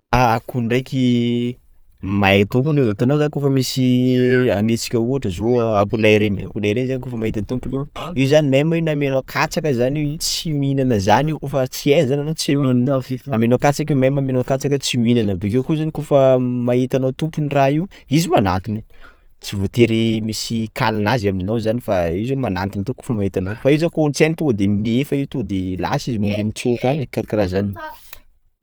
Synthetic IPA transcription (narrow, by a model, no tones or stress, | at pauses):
akuɳɖ͡ʐejkʲi | mat̪umpuneat̪anazakofəmisianet͡si̥kʲəuaʈ͡ʂəzoapulajɾena̰ulaɾenzanikofəmait̪ant̪umpunewiwzanimamainamenokʰat͡sakəzaniwit͡siinanəzaniwkofət͡siezananot͡se | amenokat͡sakiumamamenakat͡sakət͡siuinanəbekewkuzanikofəmaɦit̪anawt̪umpuniraiwizimana̰t̪ini | t͡sivot̪eɾemisikʰalanazamninawzanifaizomanant̪int̪uko̥fəmait̪anawfaizakont͡sanit̪ud̪emiefaiwt̪od̪ela̰sizimuumit͡sukaɲkaɾakirazani